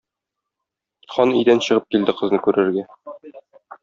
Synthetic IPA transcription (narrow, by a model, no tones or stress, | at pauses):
χɒnijd̪ænɕɤ̆ʁɤp̚kild̪ɘqɤ̆znɤkʉɾɘ̆ɾɡæ